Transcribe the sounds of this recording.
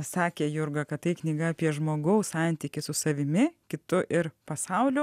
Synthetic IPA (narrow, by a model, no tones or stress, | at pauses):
sɑːkʲeːjʊɾɡɐkɐt̪t̪ɐɪknʲiːɡɐːpʲiɛʒmoːɡɐʊssɑˑnʲt̪ʲiːkʲɪsʊsɐʋʲɪmʲɪkʲɪt̪ʊʔɪɾpɐsɐʊlʲʊ